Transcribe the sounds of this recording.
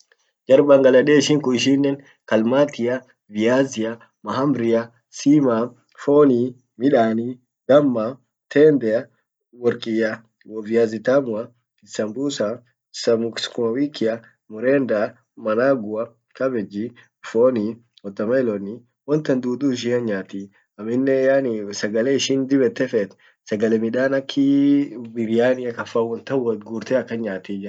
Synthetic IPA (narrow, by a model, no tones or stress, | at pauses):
d͡ʒɐɾbɐŋɡɐlɐᶑeːɪʃɪŋkʊɪʃinːɛn | kɐlmaːt̪ɪjɐ | vɪaːzɪjɐ | mɐɦɐmbɾɪjɐ | siːma | foːni | mɪᶑaːni | ɡɐmːa | t̪ʰeːnd̪ɛɐ | wɔɾkʼɪjɐ | wɔvɪjaːzɪt̪amʊɐ | ɪsɐmbuːsa | sɐmʊkskʊmɐwiːkːɪɐ | mʊɾeːnd̪a | mɐnaːɡʊɐ | kɐbɛd͡ʒi | foːni | wɔt̪ːɐmɐɪlɔni | wɔnt̪ɐnd̪uːd̪uːɪʃ̬ɪɐɲːaːt̪iː | ɐmɪnːɛjansɐɡɐlɛɪʃɪnd̪ɪbɛt̪ːɛfɛt̪ | sɐɡɐlɛmɪᶑaːnɐkʰːɪbɪɾɪjaːnɪɐkɐfːawɔnt̪ɐwɔɡuɾt̪ɛɐkːɐnɲaːt̪iːd͡ʒɪ